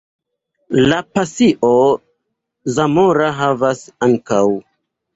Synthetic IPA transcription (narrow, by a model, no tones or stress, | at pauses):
lapasiʔo | zamoɾaɦavasaŋkaw